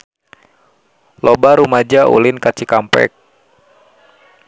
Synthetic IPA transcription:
lobaɾumad͡ʒaʔṵlɪnkat͡ʃikampɛ̰k̚

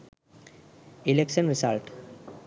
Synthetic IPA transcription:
ilekʃə̃nɾisalʈ

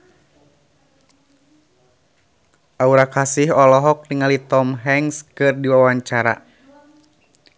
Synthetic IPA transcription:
ʔauɾakasihɔlɔɦɔk̚niŋalit̪ɔmɦɛŋskɨrdiwawaɲt͡ʃaɾa̰

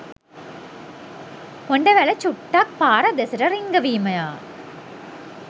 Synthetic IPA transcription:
kɔɳɖɐʋɐlɐt͡ʃuʈːaːk̚paːɾɐd̪ɐsɐɾɐɾiŋɡɐʋiːmɐjaː

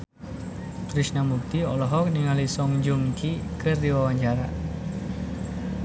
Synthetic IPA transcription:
p̪ɾisnamuk̚t̪iɔlɔɦɔk̚niŋalisɔŋd͡ʒuŋkikɨrd̪iwawaɲt͡ʃaɾa̰

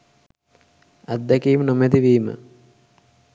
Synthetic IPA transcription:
ɐd̪ːɐkijmnomed̪iʋiːmə̰

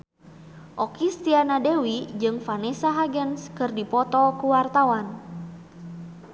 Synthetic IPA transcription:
ʔɔkist̪ianadewid͡ʒɨŋfanɛsaɦaɡənskɨrdipɔt̪ɔkuwart̪awan

